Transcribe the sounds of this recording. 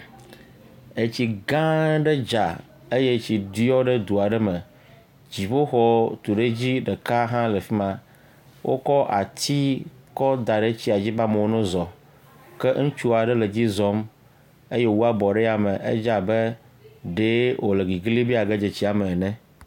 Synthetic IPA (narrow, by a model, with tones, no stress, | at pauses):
e˨t͡ɕi˨ɡã˦ɖɛ˦d͡ʒa˨ | e˦je˦t͡ɕi˨d̪i˦ɔ˦ɖe˦d̪u˨a˨ɖɛ˦mɛ˨ | d͡ʑi˨ɸo˦xɔ˦t̪u˨ɖe˦d͡ʑi˦ɖɛ˨ka˦ɦã˦le˨fi˦mã˨ | wʔo̰˦kɔ˦ʔa̰˨t̪i˦kɔ˦d̪a˨ɖe˦t͡ɕi˦a˨d͡ʑi˦ba˦mɛ̃˨o˦nũ˦zɔ˨ | kɛ˦ŋ̩̃˦t͡ʃu˦a˨ɖɛ˦le˨d͡ʑi˦zɔ˦m | e˦jɛ˦wu˦a˦bɔ˨ɖe˦ja˨mɛ̃˨ʔḛ˦d͡ʒa˨bɛ˦ | ɖe˦wo˨le˨ɡi˨ɡli˦bi˦a˨ɡe˦d͡ʒe˨t͡ɕi˦a˨mɛ˨nɛ̃˦